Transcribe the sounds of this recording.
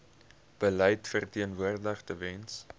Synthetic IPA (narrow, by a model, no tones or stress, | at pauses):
b̥əlɛjtfərtiənvuərdəχtəvɛns